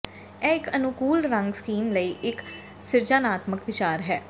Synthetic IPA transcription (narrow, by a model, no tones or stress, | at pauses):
ɛːɪkənʊkuːlɾə̃ŋɡskiːmləiːʔɪk | sɪɾd͡ʒaːnaːt̪məkʋɪt͡ʃaːɾɦɛː